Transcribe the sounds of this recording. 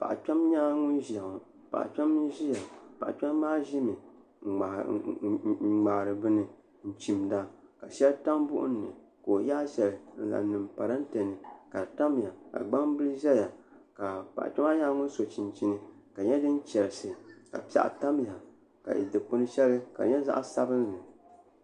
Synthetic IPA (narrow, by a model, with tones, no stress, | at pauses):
pa̰˨ʔa̰˨t͡ʃa˦mɲaː˦ŋʊ˦n˦ʒa˨ŋʊ˨ | pa̰˨ʔt͡ʃa˦m˦ʒi˦ja˨pa̰˨ʔa̰˨t͡ʃa˦mː˦aː˦ʒi˦mɨ˨ | ŋ͡ma˨ɾɨ˨bɨ˦nɨ˨ | n̩˦t͡ʃi˨mda˦ka˨ʃɛ˦lta˦mbʊ̰˦ʔʊ̰˦nːɨ˨ | ko˨jaː˦ʃɛ˨lɨ˨n̩˦la̰˨˦nɨ˨mpa˨ɾa˦n̩˦te˨nɨ˨ka˨ta˦m˨ja˨ka̰˨ɡ͡ba˦ŋbɨ˦lɨ˦ʒɛ˦ja˨ka˨pa̰˨ʔt͡ʃa˦ma˦jaː˦ŋʊ˦n˦so˨t͡ʃi˨nt͡ʃi˦nɨ˦ka˨ɲɛ˦dɨ˦n˦t͡ʃɛ˨ɾɨ˨sɨ˨ka̰˨pi˨a̰˨ʔta˦m˦ja˨ | ka̰˨ḭ˨dɨ˨k͡pʊ˦nɨ˦ʃɛ˦lɨ˦ka̰˨ɲɛ˦za̰˦ʔsa̰˦bɨ˦n˦nɨ˨